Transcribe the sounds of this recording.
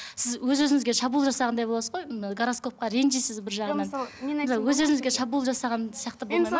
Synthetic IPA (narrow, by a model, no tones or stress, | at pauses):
sɪzwɵzwɵzɪŋɪzɡʲe̞ʃɑbuːlˠʒɑsɑʁɑnd̪ɑjbo̞lˠɑsəzʁojɡɾosko̞p̚qɑɾe̞nʒijsɪzbɪɾʒɑʁnɑnsˠwɵzɵzɪŋɪzɡʲeʃɑbuːlˠʒɑsɑʁɑnsijɑqt̪əbolˠmɑjm